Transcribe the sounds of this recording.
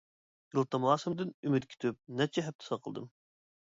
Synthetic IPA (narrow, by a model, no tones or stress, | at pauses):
ɡ̥ʲilˠt̪ɑmɑːsɨmd̪ɨnymyt̪̚kʲʰi̥t̪ʰyp̚nɛt͡ʃʰɛɦɛp̚t̪ʰɨ̥sɑqʰəl̰ˠd̪ɨm